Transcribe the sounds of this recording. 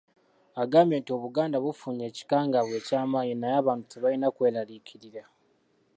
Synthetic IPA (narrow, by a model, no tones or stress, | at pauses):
aɡaːmbje̞ːntio̞βuɡaːndaβufuːɲe̞ːci̥kaːŋɡaβwe̞ːcaːmaːɲinajaːβaːntu̥teβalinakwe̞ːlalicʰiɾiɾa